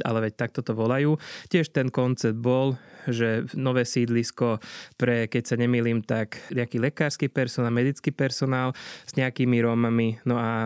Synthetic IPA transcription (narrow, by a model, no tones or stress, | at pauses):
a̰lɛʋɛc̚t̪ak̚t̪ɔt̪ɔʋɔlajuːcɪɛʃt̪ɛnkɔnt͡sɛd̪̚bɔlʒɛnɔʋɛːsiːd̪liskɔpɾɛkɛcsaɲɛmiːliːmt̪akɲɛakiːlɛkaːɾskiːpɛɾsɔnaːlmɛd̪it͡skiːpɛɾsɔnaːlz̥ɲɛakiːmiɾɔmaminɔa